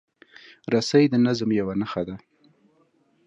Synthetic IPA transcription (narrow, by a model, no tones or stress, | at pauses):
ɾasajd̪ənazmjawanaxad̪a